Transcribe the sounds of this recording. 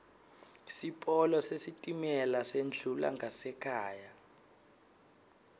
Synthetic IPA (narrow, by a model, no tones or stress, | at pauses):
sipʼɔlɔsesitʼimɛlasend͡ɮʱula̰ŋɡʱasɛkʰaːja